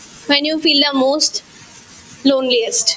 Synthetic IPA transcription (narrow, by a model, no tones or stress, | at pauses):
ʋɛ̃njuːfiːld̪əmoːsʈ | lõːnliəsʈ